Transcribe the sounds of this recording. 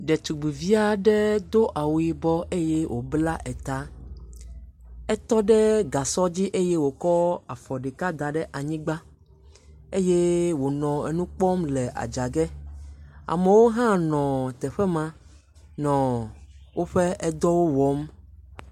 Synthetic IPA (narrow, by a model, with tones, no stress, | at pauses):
ɖɛ˨t̪u˨ɡ͡bi˨vi˦a˦ɖɛ˦d̪o˦ʔa˨wu˨i˨bɔ˦e˦je˦wʔo˨bla˦ʔɛ˨t̪a˨˦ | ɛ˦t̪ɔ˦ɖɛ˦ɡa˨sɔ˦d͡ʑi˦ʔe˦je˦wo˨kɔ˦a˨fɔ˨ɖɛ˨ka˦d̪a˨ɖɛ˦ʔa˨ɲĩ˦ɡ͡ba˦ | e˦je˦wo˨nɔ̃˨ḛ˨nũ˦k͡pɔ˦mlɛ˨ʔa̰˨d͡ʒa˨ɡɛ˦ | a̰˨me˨wo˦ɦã˦nɔ̃˨t̪ɛ˨ɸɛ˦mã˦ | nɔ̃˨wo˦ɸɛ˦ʔɛ˦d̪ɔ˦wo˦wɔ˨˦m